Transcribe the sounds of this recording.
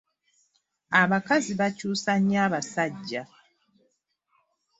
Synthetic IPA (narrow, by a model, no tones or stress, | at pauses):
aβakaziβacuːsaɲaːβasaɟːa